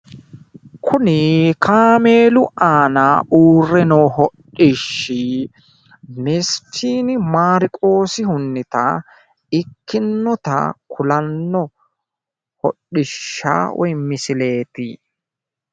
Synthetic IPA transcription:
kʰʊnɪkʰaːmeːlʊʔaːnaʔuːrːɛnɔhɔɗːɪʃːɪ | mɛstʰiːnɪmaːɾɪkʼo̞ːsɪhʊnːɪt̪ɐ̰ | ɪkʰːɪnːɔt̪ɐ̰kʰʊlɐnːɔ | hɔ̰ɗɪʃːa̰ːwɔ̰jmɪsɪle̞ːt̪ɪ

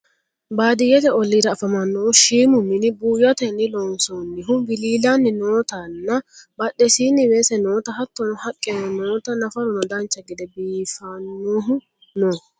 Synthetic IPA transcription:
baːd̪ɪjɛt̪ɛɔlːiːd̪ɐːfɐmɐnːɔʊʃiːmʊmɪnɪbuːjɐt̪ɛnːɪlɔnsonːɪɦʊbɪliːlanːɪnoːt̪ɐnːɐbɐɗːɛsiːnːɪweːsɛnoːt̪ɐhɐt̪ːɔnɔhɐkʼːɛnɔnoːt̪ɐnɐfɐɾɔnɔd̪ɐnt͡ʃːɐɡɪd̪ɛbiːfanːoːɦʊ | noː

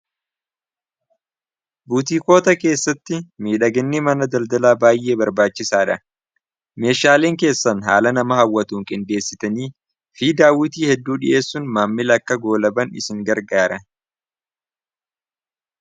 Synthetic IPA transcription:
buːt̪iːko̞ːt̪ɐke̞ːsːɐt̪ːɪmiːᶑɐɡɛnːɪmɐnɐd̪ɐld̪ɐlaːbaːjʔe̞ːbɐɾbaːt͡ʃːɪsaːᶑɐ | me̞ːʃaːleːŋke̞ːsːɐnɦa̰ːlɐnɐmɐhɐwːɐt̪uːŋkʼɪnd̪e̞ːsːɪt̪ɐniː | fiːd̪aːwɪt̪iːhɛd̪ːuːᶑɪʔe̞ːsːʊnmaːmːɪlɐkːɐɡo̞ːlɐbɐnɪsɪŋɡɐɾɡaːɾɐ

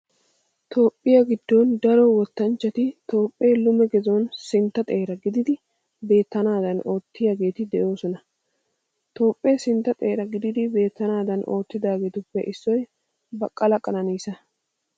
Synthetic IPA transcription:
t̪o̞ːpʼːɪjɐɡɪd̪ːond̪ɐɾɔwɔt̪ːɐnt͡ʃːɐt̪ɪt̪o̞ːpʼːeːlʊmɛɡɛzonsɪnt̪ːɐt̪ʼe̞ːɾɐɡɪd̪ɪd̪ɪ | be̞ːt̪ːɐnaːd̪ɐno̞ːt̪ːɪjaɡe̞ːt̪ɪd̪ɛʔo̞ːsɔnɐ | t̪o̞ːpʼːesɪnt̪ːɐt̪ʼe̞ːɾɐɡɪd̪ɪd̪ɪbe̞ːt̪ːɐnaːd̪ɐnʔo̞ːt̪ːɪd̪aːɡeːt̪ʊpːɛʔɪsːɔj | bɐkʼːɐlɐkʼɐnɐniːsɐ

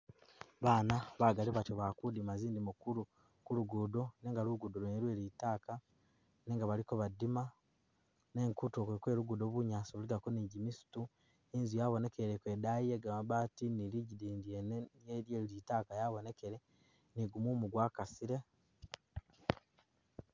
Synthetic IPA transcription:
βaːnaβaɡaliβatoβakudimaziːndimukuɾu | kuluɡudo̞neːŋɡaluɡudoloniɾweːɾitaːka | neːŋɡaβalikoβadima | ne̞ːŋkutokekwe̞ːɾuɡudoβuɲaːsoβuliɡakoniɟimisu̥tu | inzujaβo̞ne̞ke̞ɾekwe̞ːdajieɡamaβaːtiniliɟidiːndienjeɾjeːɾilitaːkajaβo̞ne̞keɾe̞ | niɡumumuɡwaːkasiɾe̞

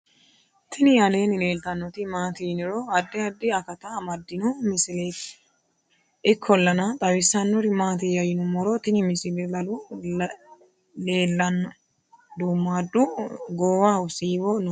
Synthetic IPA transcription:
t̪ʰɪnɪjɐleːnɪle̞ːlt̪ɐnːɔt̪ɪmaːt̪inɪɾoɐd̪ːɪɐd̪ːɪɐkɐt̪ɐmɐd̪ːɪnɔmɪsɪle | ɪkʰːɔlːɐnɐt̪ʼɐwɪsːɐnːɔɾɪmaːt̪ɪjɐjɪnʊmɔɾɔt̪ɪnɪmɪsɪlɛlɐlu | le̞ːlːɐn | d̪umːaːd̪ːʊɡoːwaːʊsiːwɔn

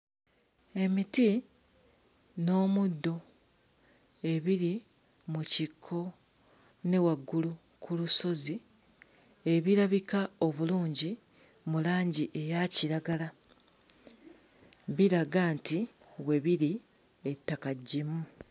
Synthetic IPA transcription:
e̞miti | no̞ːmudːo̞ | e̞βiɾi | mucikʰːo̞ | ne̞waɡːulu | kʰuluso̞zi | e̞βiɾaβikao̞βuluːɲɟi | mulaːɲɟiʔe̞jaciɾaɡala | βiɾaɡaːnti | we̞βiɾi | etːakaɟːimu

